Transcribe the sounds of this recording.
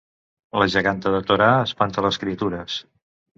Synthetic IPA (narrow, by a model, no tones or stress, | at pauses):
ləʒəɣant̪əðət̪oɾaəspant̪ələskɾiət̪uɾəs